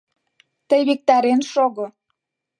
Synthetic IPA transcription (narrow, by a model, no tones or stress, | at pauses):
t̪əjβik̚t̪ɑɾenʃoɣo